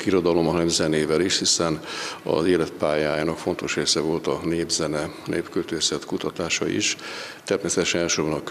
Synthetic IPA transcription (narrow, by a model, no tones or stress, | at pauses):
kiɾo̞d̪ɒlo̞mɒnɛmzɛneːvɛliʃhisɛnɒ̰zeːlɛt̪paːjaːjaːnɒkfo̞nt̪o̞ʃreːsɛvo̞lt̪ɒneːbzɛnɛnḛːpkølt̪øːsɛt̪kut̪ɒt̪aːʃɒ̰ḭʃt̪ɛrmeːsɛt̪ɛʃɛnɛlʃorbɒnɒk